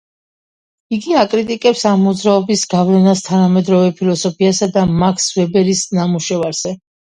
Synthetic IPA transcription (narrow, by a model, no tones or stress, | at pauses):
iɡiakʼɾit̪ʼikʼɛpsamːud̪zɾaɔbisɡavlɛnast̪ʰanamɛd̪ɾɔvɛpʰilˠɔsɔpʰiasad̪amakʰsvɛbɛɾisnamuʃɛvaɾz̥ɛ